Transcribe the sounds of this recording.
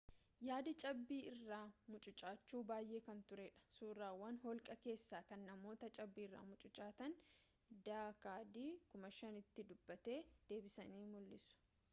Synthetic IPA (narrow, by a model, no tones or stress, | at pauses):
jaːd̪ɐt͡ʃʼɐbːiːɪrːaːmʊt͡ʃʼʊt͡ʃʼaːt͡ʃːuːbaːjʔe̞ːkɐnt̪ʊɾeᶑɐ̥suːraːwɐnɦɔlkʼɐke̞ːsːaːkɐnːɐmo̞ːt̪ɐt͡ʃʼɐbːiːɪrːa̰ːmʊt͡ʃʼʊt͡ʃʼaːt̪ɐn | d̪aːkaːd̪iːkʊmɐʃɐnɪt̪ːɪd̪ʊbːɐt̪e̞ːd̪̥e̞ːbɪsɐniːmʊlːɪsʊ̥